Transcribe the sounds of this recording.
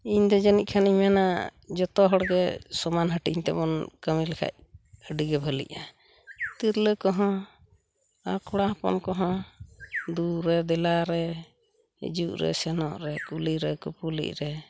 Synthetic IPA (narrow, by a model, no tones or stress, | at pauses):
iɲd̪ɔd͡ʒanic̚kʰaniɲmanad͡ʒɔt̪ɔɦɔɽɡɛsɔmanɦəʈiɲt̪ɛbɔnkəmilɛkʰa̰c̚əɖiɡɛbʱəlḭʔa | t̪iɾləkɔɦɔ̃ | akʰɔɽaɦapɔ̰nkɔɦɔ̃ | d̪uɾɛd̪ɛlaɾɛ | ḭd͡ʒuʔɾɛ̰sɛnɔ̰ʔɾɛkuliɾɛkupulḭc̚ɾɛ